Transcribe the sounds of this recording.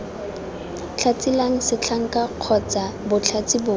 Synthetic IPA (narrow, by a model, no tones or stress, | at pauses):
t͡ɬʰat͡sʼilaŋ̩sɪt͡ɬʰaŋ̩kaq͡χʰɔt͡sabʊt͡ɬʰat͡sʼibʊː